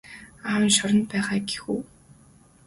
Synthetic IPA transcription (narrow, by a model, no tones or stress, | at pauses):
aːwɪ̆nʃʊɾə̆nt̪̚pæːʁaːɡe̥xuː